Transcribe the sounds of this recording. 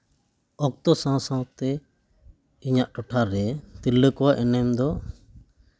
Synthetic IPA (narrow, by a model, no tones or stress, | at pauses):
ɔk̚t̪ɔsãwsãwt̪ɛ | iɲaʔʈɔʈʰaɾɛt̪ilːəkɔwaʔɛnɛmd̪ɔ